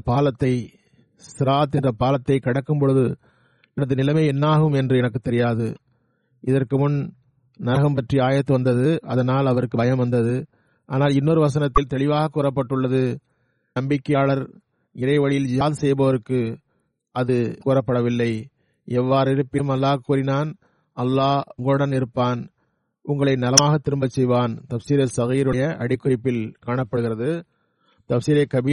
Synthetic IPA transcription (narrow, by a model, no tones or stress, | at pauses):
ɐpaːlɐt̪ːɐɪ | sɪɾaːt̪ːɛndrɐpaːlɐt̪ːɐɪkɐɽɐkːɯmpɔɻɯðɯ | ɛnɐðɯnɪlɐmeːɛnːaːɣɯmɛndrɯɛnɐkːɯt̪ːɛɾɪjaːðɯ̰ | ʔɪðɐrkɯmʊn | nɐɐɣɐmpɐʈriaːjɐt̪ːɯʋɐnd̪ɐðɯɐðɐnaːlɐʋɐɾɯkːɯbɐjɐmʋɐnd̪ɐðɯ | ʔaːnaːlɪnːoːɾɯʋɐs̬ɐnɐt̪ːɪlt̪ɛɭɪʋaːɣɐkːuːɾɐpːɐʈːɯɭːɐðɯ | nɐmbɪkːɐjaːɭɐɾ | ɪɾɐɪʋɐɭɪjɪld͡ʒɪjaːðsɛjbɐʋɐɾɯkːɯ | ʔɐðɯkuːrɐpːɐɽɐʋɪlːɐɪ | ɛʋːaːɾɪɾɯpːɪmɐlːaːkːuːɾɪnaːn | ʔɐlːaːʊŋɡɐɭɯɽɐnɪɾɯpːaːn | ʊŋɡɐɭɐɪnɐlɐmaːɣɐt̪ːɪɾɯmbɐt͡ʃsɛjʋaːnt̪ɐfsiːɾɐsɐɣiːɾɯjɐʔɐɽɪkːɯɾɪpːɪlkaːɳɐpːɐɽɯɣɪɾɐðɯ | t̪ɐfsiːɾɐkɐbi